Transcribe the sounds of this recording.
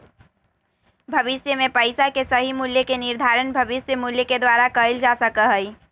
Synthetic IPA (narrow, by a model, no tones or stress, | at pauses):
bʱɐʋɪsjəmẽpəɪsakesɐɦimuljəkenɪɾd̪ʱaːɾənbʱɐʋɪsjəmuljəked̪waːɾakəɪld͡ʒasəkəɦəi